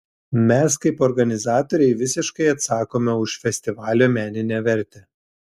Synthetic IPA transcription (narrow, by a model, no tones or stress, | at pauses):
mʲɛskɐɪpɔɾɡɐnʲɪzɑːt̪ɔɾʲɛɪʋʲɪsʲɪʃkɐɪɐt̪sɑːkoːmʲɛʊʃfʲɛsʲt̪ʲɪʋɑːlʲoːmʲæːnʲɪnʲæːʋʲɛɾʲt̪ʲɛ